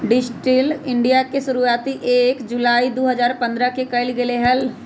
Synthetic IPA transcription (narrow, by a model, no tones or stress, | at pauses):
ɖɪsʈɾɪlɪ̃ɳɖijakesʊɾuaːt̪iʔeːkd͡ʒʊlaːid̪oːɦəzaːɾpə̃nd̪ɾakekəɪlɡeleɦəl